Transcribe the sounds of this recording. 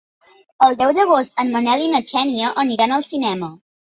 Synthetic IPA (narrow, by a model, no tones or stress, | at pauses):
əlˠd̪ɛwðəɣ̞ost̪ənmənɛlinət͡ʃɛniəʔəniɾanəlˠsinɛmə